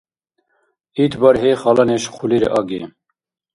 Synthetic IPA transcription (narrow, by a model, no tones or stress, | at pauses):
iːt̪ʰbɑɾɦeːχɑːlɑneʃqʰuliɾḛʔɑːɡḛ